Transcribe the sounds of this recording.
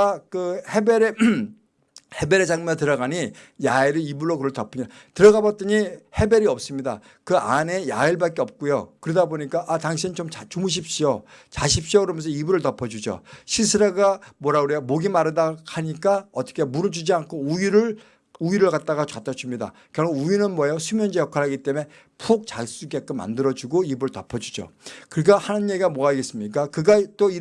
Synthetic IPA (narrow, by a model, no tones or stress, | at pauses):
akɯhe̞beɾe | he̞be̞ɾed͡ʑaŋmʌt̬ɯɾʌɣaɲijaiɾɯibuɭːokɯɾʌɭtʌpʰɯɲatɯɾʌɣabʌt͈ʌɲihe̞be̞ɾiʌp̚s͈ɯmɲida̰ | kɯane̞ja̰iɭbak͈eʌp̚k͈ujokɯɾɯdaboɲik͈aʔataŋɕʰint͡ɕomt͡ɕat͡ɕumuɕ̬ʰip̚ɕ͈iot͡ɕaɕ̬ʰip̚ɕ͈iokɯɾʌmjʌnsʰʌibuɾɯɭtʌpʰʌd͡ʑud͡ʑo̰ɕʰisʰɯɾeɡamwʌɾauɾiamoɡimaɾɯdahaɲik͈aʌt͈ʰʌ̥kʰemuɾɯd͡ʑud͡ʑiankʰouiɾɯɭ | uiɾɯɭkat̚t͈aɣat͡ɕat͈ʰʌt͡ɕʰumɲida̰kɯɾʌuinɯnmwʌjosʰumjʌnd͡ʑejʌkʰaɭɦaɡit͈e̞me̞ | pʰok̚t͡ɕas͈uɡek͈ɯma̰ndɯɾʌd͡ʑuɡoibuɾɯɭtʌpʰʌd͡ʑud͡ʑo̰kɯɾik͈ahanɯnjeiɡamoaɡe̞s͈ɯmɲik͈akɯɡat͈oi